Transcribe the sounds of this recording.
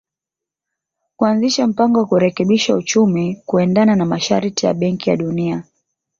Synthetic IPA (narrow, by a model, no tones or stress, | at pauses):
kuanziʃam̩paŋɡɔwakuɾɛkɛɓiʃaut͡ʃumikuɛndananamaʃaɾitija̰ɓɛŋkija̰ɗunia